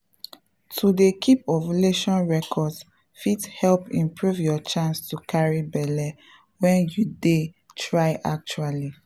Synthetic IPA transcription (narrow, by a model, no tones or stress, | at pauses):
tʰudekʰipɔvleʃɔ̃nɹɛkʰɔds | fithɛlpĩmpʰɹuvjɔt͡ʃãnstukʰaɹibɛlɛ | wɛ̃njude | tʰɹaɪʔa̰k̚t͡ʃuali